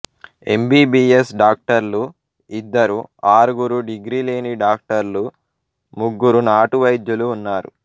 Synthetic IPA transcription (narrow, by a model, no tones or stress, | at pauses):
e̞mbiːbiːesɖaːk̚ʈɐɾlu | id̪ːɐɾuaːɾuɡuɾuɖiɡɾiːle̞ːniɖaːk̚ʈɐɾlu | muɡːuɾunaːʈuʋɐjd̪juluːnːaːɾṵ